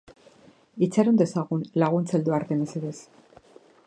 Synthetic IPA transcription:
it͡saɾond̪e̞saɣunlaɣ̞unt͡seld̪uaɾt̪eneseðes

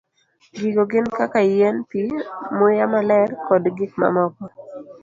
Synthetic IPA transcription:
ɡiɡoɡɪnkakajɛnpimʊjamalɛrkɔdɡikma̰mɔkɔ

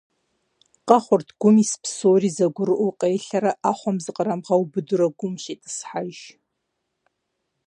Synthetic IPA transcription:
qʼɑχʷʊrtʰɡ̥ʷʊmispʰsoːriːzɐɡʷʊɾɨʔʷʊqʼejɬɐɾɐʔaːχʷɔmzɨqʼəɾɐmʁɐwbɨdʊɾɐɡʷʊmʃetʰʼɨ̥sħaʒ

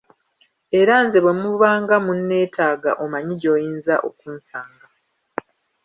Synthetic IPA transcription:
e̞ɾanzeβwe̞muβaːŋɡamunːe̞ːtʰaːɡa̰ʔo̞maɲiɟo̞ːjiːnzaʔo̞̰kuːnsaːŋɡa

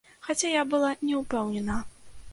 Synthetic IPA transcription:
xat͡sʲajabɨlˠanʲɛupɛwnʲɛnɐ

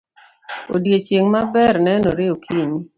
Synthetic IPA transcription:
o̰djet͡ʃeŋmabɛrnɛnoɾeokʰiɲ

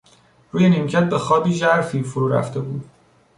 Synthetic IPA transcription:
ɾuːjenimcʰæt̪̚be̞xɒːbiːʒæɾfiːfoɾuːɾæ̰ft̪e̞buːd̪̥

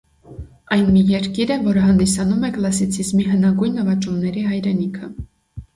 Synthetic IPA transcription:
ɑjnmijɛɾkiɾəvɔɾəɦɑnd̪isɑnumɛklɑsit͡sʰizmiɦənɑɡujnːəvɑt͡ʃumnɛɾiɦɑjɾɛnikʰə

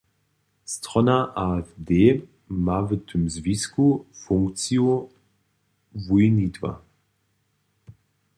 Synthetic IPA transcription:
st̪ʁɔnaʔadeː | mavət̪ʰəmzviskufʊŋkt͡sjo | vujnitva̰

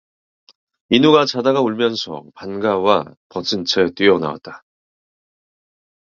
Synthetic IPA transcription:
inuɡat͡ɕadaɡauɭmjʌnsʰʌ̰panɡawapʌsʰɯnt͡ɕʰet͈wɥiʌna̰wa̰t̚t͈a

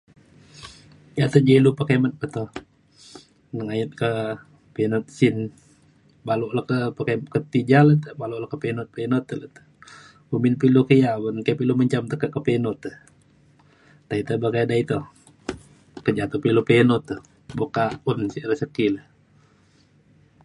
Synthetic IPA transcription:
jat̪əd͡ʒelupəkemət̪̚pəht̪o | nəŋajət̪̚kə | penot̪̚sin | baloʔlakəpəkemkət̪id͡ʒalət̪əbaloʔlahkəpenʊt̪̚penot̪ːələt̪ə̥ | uminpilukəjabənkapiluməɲt͡ʃamt̪əkəʔ̚kəpenɔt̪əh | tait̪əbakadait̪o | kəd͡ʒat̪upilupenɔt̪ːəh | bukaunsiʔɾəsəkiləh

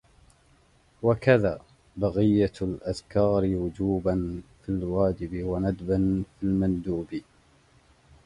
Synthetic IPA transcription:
wakaðaː | baɣɪjːalʔaðkaːɾɪwʊd͡ʒuːbanfilwaːd͡ʒɪbɪwanad̪banfilmand̪uːbɪ

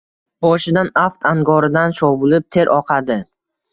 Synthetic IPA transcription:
bɒʃɪd̪anaft̪ʰaŋɡɒɾɪd̪anʃɒvʊlɪp̚t̪ʰe̞ɾʔɒqʰad̪ɪ

